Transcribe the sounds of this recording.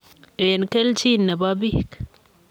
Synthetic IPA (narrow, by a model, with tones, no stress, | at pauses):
e˨nke˦lt͡ʃi˦nːe˨ba˦bi˦hk